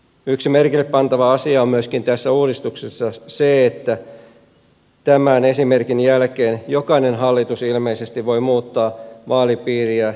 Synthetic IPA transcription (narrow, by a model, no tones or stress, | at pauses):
yksimerkilːeppɑnt̪ɑʋɑɑsiɑommyøskint̪æsːæuːdist̪uksesːɑseet̪ːæ | t̪æmæne̞simerkinjælkeːnjokɑinenɦɑlːit̪usilmeisest̪iʋʋo̞imuːt̪ːɑːʋɑːlipiːriæ